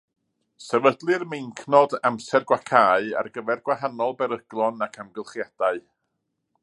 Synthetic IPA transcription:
sɛvədlˠɨrmejŋkʰnɔdamsɛrɡwakʰaːɨa̰rɡəvɛrɡwaɦanɔlˠbɛɾəɡ̥lˠɔnakʰamɡəlˠχjad̥aɨ

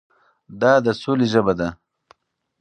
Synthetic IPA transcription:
d̪ɑd̪əsoliʒəbad̪a

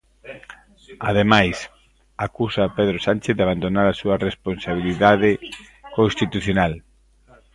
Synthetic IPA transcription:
aðemajs | akusapeðɾosanʲt͡ʃeθðeaβ̞and̪onaɾasuɐresponsaβ̞iliðaðɪ | kõnst̪it̪uθjonal

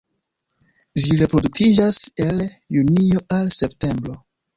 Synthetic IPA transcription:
ʒiɾe̞pɾo̞duktid͡ʒase̞l | junio̞ʔalse̞pte̞mbɾo̞

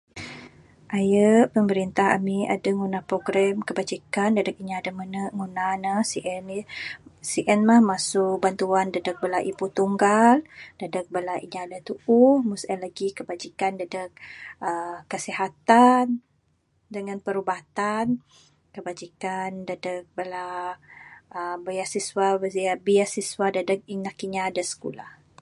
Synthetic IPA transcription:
ʔajəʔpəməɾint̪aɦa̰miʔa̰daŋunahpɾoɡɾɛmkəbad͡ʒikandədək̚iɲaadamənəʔŋunanasiʔɛn | siʔɛnmahmasʊk̚bant̪uandədək̚bəlaʔiput̪uŋɡaldədək̚bəlaʔiɲaadat̪uʔuhmusəlaɡikəbad͡ʒikandadək̚ʔəkːəsiɦat̪an | dəŋanpəɾubat̪an | kəbad͡ʒikandadək̚bəla | əbəjasiswabəziabijasiswadadək̚inakiɲaːdasə̥kṵla̰h

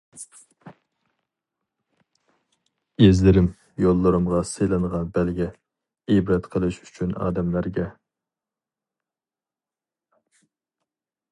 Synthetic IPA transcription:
ezlɪɾɪm | jolˠːɨɾɨmʁɑsejlˠɨnʁɑnbælɡʲɛ | ebɾɛt̪qʰəlˠɨʃy̥t͡ʃʰynɑ̰ːd̪ɛmlæɾɡʲɛ

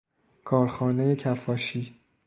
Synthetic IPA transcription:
kʰɒːɾxɒːnejecʰæfɒːʃiː

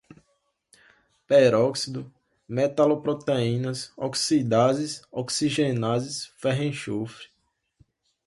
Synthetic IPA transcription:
pɛɾɔksid̪ʊ | mɛt̪alopɾɔt̪eĩnɐsɔksid̪azisɔksiʒenazisfɛɦẽʃofɾi̥

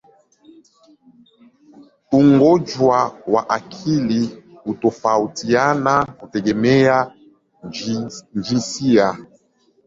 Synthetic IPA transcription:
uŋɡɔd͡ʒwawaʔakʰili | utɔfautianakutɛɡɛmɛja | nd͡ʒisija

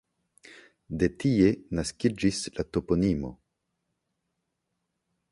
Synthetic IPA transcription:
de̞tie̞naskid͡ʒislato̞ponimo̞̰

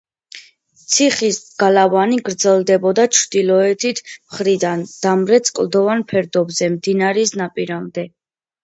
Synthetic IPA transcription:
t̪sʰiχisɡ̥alavaniɡɾd̪zɛlˠd̪ɛbɔd̪at͡ʃʰɾd̪̥ilɔɛt̪ʰit̪ʰmχɾid̪and̪̥amɾɛt̪sʼkʼlˠd̪ɔvanpʰɛɾd̪ɔbzɛmd̪inaɾisnapʼiɾamd̪ɛ

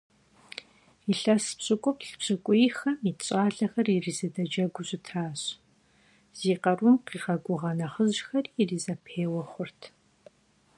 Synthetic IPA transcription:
iɬɐspɕʼɨkʷʼɔpɬpɕʼɨkʷʼʊjxɐmiɕʼaːɮɐxɐririːzɐdɐd͡ʒɐɡʷʊɕʼɪtʰaːɕ | z̥iːqɐrʊmqiːʁɐɡʷʊʁɐnɐχəʑxɐririːzɐpʰeːwɐχʷʊrtʰ

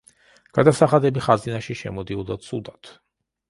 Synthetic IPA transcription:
ɡ̥ad̪asaχad̪ɛbiχazinaʃiʃɛ̰mɔd̪iɔd̪at̪sʰud̪at̪ʰ

